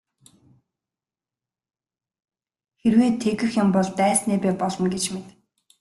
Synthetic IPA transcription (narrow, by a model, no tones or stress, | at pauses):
xerweːt̪ʰeɣɘ̆xjampɔɮt̪æːsneːpæːpɔɮɞ̆mɡet͡ɕmet̪